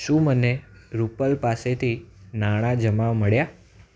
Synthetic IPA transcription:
ʃũməneɾupəlpaset̪ʰinaɽ̃ad͡ʒəmaməɭja

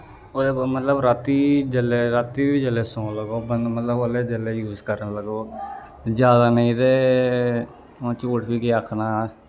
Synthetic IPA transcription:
oːd̪emət̪ləbɾat̪ːiːd͡ʒəleːɾat̪ːiːbiːd͡ʒəleːsõːləɡoːbənd̪mət̪ləbəleːd͡ʒəleːjuːzkəɾnləɡoː | d͡ʒjaːd̪aːnəĩːt̪eː | õt͡ʃoːʈʰbiːkeəkʰnaː

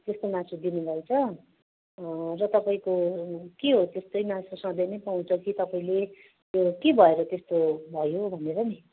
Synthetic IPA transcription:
t̪est̪omãsud̪inubʱʌjt͡sʰʌ | rʌt̪ʌpaĩkokeɦot̪est̪ʌjmãsosʌ̃d̪ʌjnʌjpaw̃t͡sʌkit̪ʌpaĩle | t̪jokebʱʌeɾʌt̪est̪obʱʌjobʱʌneɾʌni

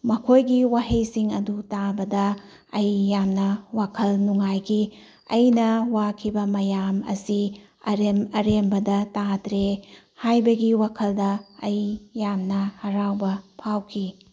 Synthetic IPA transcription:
mɐkʰojɡiwaɦejsiŋɐdutabɐdɐ | ɐjjamnɐwakʰɐlnuŋajɡi | ɐ̰jnɐwakʰibɐmɐjamɐ̰si | ɐɾemɐɾembɐdɐtatɾe | hajbɐɡiwakʰɐldɐːjjamnɐhɐɾawbɐpʰawkʰi

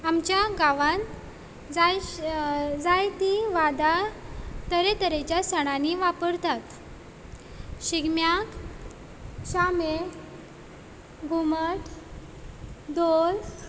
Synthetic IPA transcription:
amt͡ɕjaɡaʋan | d͡za | d͡zajt̪iʋad̪at̪əɾet̪əɾet͡ɕjasəɽ̃aniʋapəɾt̪at̪ | ɕiɡmjak | ɕame | ɡʱuməʈ | d̪ol

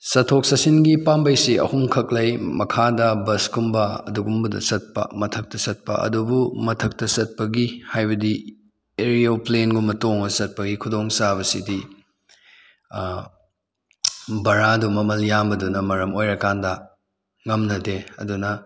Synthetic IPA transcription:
sɐtʰːok̚sɐsinɡipambɐjsiʔɐ̰humkʰɐk̚lɐjmɐkʰadɐbɐsɡumbɐɐ̰duɡumbɐdɐ̰sɐt̚pɐ̰mɐtʰɐk̚tɐsɐt̚pɐ̰ʔɐ̰dubumɐtʰɐk̚tɐsɐt̚pɐɡihajbɐdi | eɾioplenɡumɐtoŋɐsɐt̚pɐɡikʰudoŋsaβɐsidi | bɐɾadumɐmɐljambɐdunɐmɐɾɐmojɾɐkandɐ | ŋɐmnɐdeɐdunɐ

